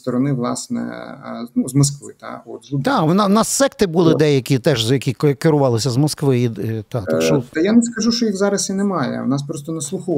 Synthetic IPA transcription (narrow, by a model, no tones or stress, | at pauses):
t̪ɔɾɔnɪʋlˠɑ̰snɛ̰nuzmɔskʋɪ̰t̪ɑ̰ot̪d̪ɑunɑnɑsːɛkt̪ɪbulˠɪd̪ɛjɐkʲit̪ɛʒjɐkʲikkɪɾʊʋɑlˠɪsʲɐzmɔskʋɪit̪ɑt̪ʃɔt̪ɐjanɛskɐʒuʃt͡ʃɔjiɣzɑɾɐsinɛmɑjɛ̰ɐ̰wnɑspɾɔst̪ɔnɐslˠʊxɔ